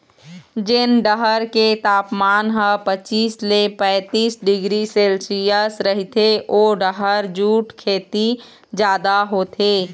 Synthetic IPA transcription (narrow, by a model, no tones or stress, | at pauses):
d͡ʒɪnɖəɦəɾket̪aːpmaːnɦəpət͡ʃiːslepɛ̃ːt̪iːsɖɪɡɾiseːlsijəsɾəɦit̪ʰeʔoːɖəɦəɾd͡ʒuːʈkʰeːt̪i | d͡ʒjaːd̪aɦot̪ʰeː